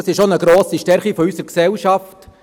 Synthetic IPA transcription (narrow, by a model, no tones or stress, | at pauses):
sɪʃonəɡɾoːsiʃtɛɾχifɔysəɾksɛlʃɑft